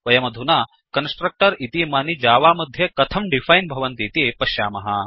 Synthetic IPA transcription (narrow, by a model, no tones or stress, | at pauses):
ʋɐjɐmɐd̪ʱunaː | kɐnsʈɾɐk̚ʈɐɾit̪imaːnid͡ʒaːʋaːmɐd̪ʱjɐkɐt̪ʰɐmɖifʰajnbʱɐʋɐnt̪iːt̪ipɐʃjaːmɐɦɐ̰